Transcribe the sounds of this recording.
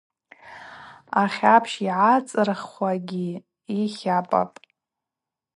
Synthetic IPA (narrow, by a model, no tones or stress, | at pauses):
aχʲapʰʃiʕat͡sʼɨrχʷaɡʲi | iχʲapʼa̰pʼ